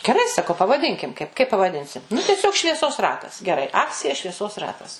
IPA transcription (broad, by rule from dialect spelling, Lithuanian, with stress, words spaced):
ɡʲɛˈrɐɪ sɐˈkɐʊ pɐʋɐˈdʲɪŋʲkʲɪm kɐɪp kɐɪp pɐʋɐˈdʲɪnʲsʲɪm nʊ tʲɛˈsʲoːk ʃʲʋʲiɛˈsoːs ˈrɑːtɐs ɡʲɛˈrɐɪ ˈɑːkt͡sʲɪjɛ ʃʲʋʲiɛˈsoːs ˈrɑːtɐs